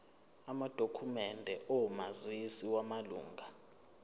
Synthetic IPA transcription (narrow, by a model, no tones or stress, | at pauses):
amad̥ʱokʰumɛndʱɛʔomazwisiwamalṵːŋɡʱa